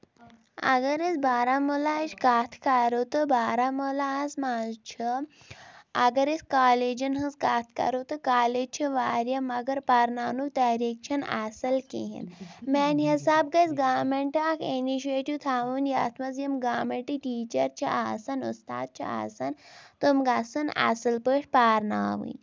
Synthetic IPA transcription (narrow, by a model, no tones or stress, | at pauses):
ɐ̰ɡɐɾisbaːɾaːmolaːɐt͡ʃʰkaːt̪ʰkɐɾot̪obaːɾamolaɦɐsmaːzt͡ʃʰi | ɐɡɐɾiskaːleːd͡ʒɐnɦɐskaːt̪ʰkɐ̰ɾot̪ɨkaːleːd͡ʒt͡ʃʰiʋaːɾjɐmɐɡɐɾpɐɾnaːnut̪ɐːɾiːk̚t͡ʃʰɐna̰sɐlkḭɦḭnmɛːnʲɦisaːbɡɐsɡaːmeɳʈaːkʰiniʃ̬ieʈiʋt̪ʰaːʋuːnja̰ːt̪ʰmɐzjɐmɡaːmeɳʈiʈiːt͡ʃɐɾt͡ʃʰiʔaːsɐnṵst̪a̰ːd̪̚t͡ʃʰḭa̰ːsɐnt̪umɡasɐna̰sɐlpəːʈʰʲpaːɾna̰ːʋṵnʲ